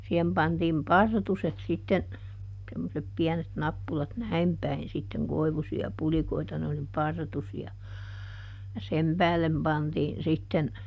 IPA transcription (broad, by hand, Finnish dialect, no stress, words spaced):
sihem pɑntiːm pɑrtuset sitːen semːosep piɛnet nɑpːulɑt næim pæin sitːeŋ koiʋusiɑ pulikoitɑ ne oli pɑrtusiɑ jɑ sem pæːlːem pɑntiːn sitːen